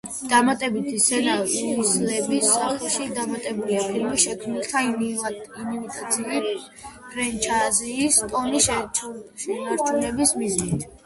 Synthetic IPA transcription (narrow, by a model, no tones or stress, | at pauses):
d̪̥amat̪ʼɛbit̪ʰisɛnaiislɛbisːaχɛʃid̪amat̪ʼɛbuliapʰilmiʃɛkʰmnilt̪ʰa | inivit̪ʼat̪sʰiː | pʰɾɛnt͡ʃʰaziːst̪ʼɔniʃɛʃɛnaɾt͡ʃʰunɛbismiznit̪ʰ